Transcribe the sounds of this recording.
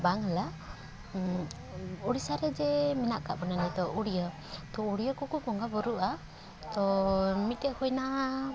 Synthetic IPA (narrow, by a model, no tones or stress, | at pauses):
baŋɦala | uɽisaɾɛd͡ʒɛminaʔka̰ʔbɔnanɛt̪ɔʔuɽijə | t̪ɔuɽijəkɔkukɔŋɡabɔɾuʔa | t̪ɔmit̪̚t̪ɛʔkujna